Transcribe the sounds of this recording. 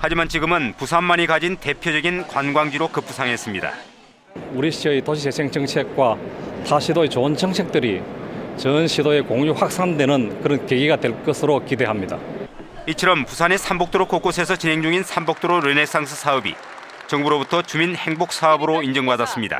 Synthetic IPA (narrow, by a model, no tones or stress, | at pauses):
had͡ʑimant͡ɕiɡɯmɯnpusʰamːaɲikad͡ʑinte̞pʰjʌd͡ʑʌɡinkwanɡwaŋd͡ʑiɾokɯp͈usʰaŋɦe̞s͈ɯmɲida̰ | uɾiɕʰiʌitoɕʰit͡ɕesʰeŋt͡ɕʌŋt͡ɕʰe̞k̚k͈wataɕʰidoet͡ɕont͡ɕʰʌŋt͡ɕʰe̞k̚t͈ɯɾit͡ɕʌnɕʰidoe̞koŋjuɸwak̚s͈andwe̞nɯnkɯɾʌnkeɡiɡadwe̞ɭk͈ʌsʰɯɾokide̞ɦamɲida̰ | it͡ɕʰʌɾʌmpusʰane̞sʰambok̚t͈oɾok͈ok͈osʰe̞sʰʌt͡ɕinɦe̞ŋd͡ʑuŋinsʰambok̚t͈oɾoɾɯne̞ks͈aŋsʰɯ̥sʰaʌbḭ | t͡ɕʌŋbuɾobutʰʌt͡ɕuminhe̞ŋbok̚s͈aʌbɯɾoind͡ʑʌŋbadas͈ɯmɲida̰